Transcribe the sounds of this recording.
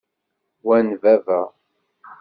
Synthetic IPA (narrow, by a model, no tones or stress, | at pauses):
wænvævæ